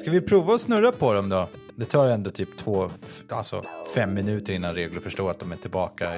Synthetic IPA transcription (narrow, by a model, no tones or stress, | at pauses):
skavɪpʰɾuːvaɔsnɵɾːapʰɔd̪ɔmd̪ɔ | d̪ɛt̪ʰɑːɾɛnd̪oːt̪ʰyːpt̪ʰvoːa̰lsɔ̰fɛmːɪnʉ̟ːt̪əɾɪnːanɾeːɡləɾfœʂʈoːat̪̚d̪ɔmæʈʰɪlbɑːka